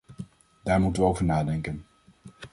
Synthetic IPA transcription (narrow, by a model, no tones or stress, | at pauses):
daːɹmutənʋəowvəɹnaːdɛŋkən